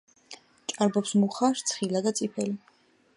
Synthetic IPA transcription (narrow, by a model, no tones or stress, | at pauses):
t͡ʃʼaɾbɔpsmuχaɾt̪sʰχilad̪at̪sʼipʰɛli